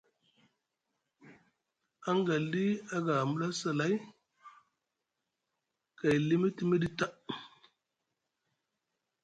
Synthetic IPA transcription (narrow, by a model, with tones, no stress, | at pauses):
a˦ŋɡa˨li˦a˦ɡa˨mu˦la˦sa˨la˦j | ka˨jli˦mi˦ti˦mi˦di˦ta˦